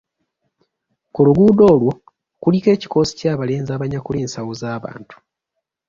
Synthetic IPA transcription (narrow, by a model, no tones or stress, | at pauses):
kuluɡuːdo̞ːlwo̞ | kulike̞ːci̥ko̞ːsi̥caːβale̞ːnzaːβaɲakuleːnsawozaːβa̰ːntu̥